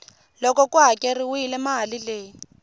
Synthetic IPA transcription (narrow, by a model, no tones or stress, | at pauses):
lɔkɔkuɦakʼɛriwʊilɛmaɦalileːi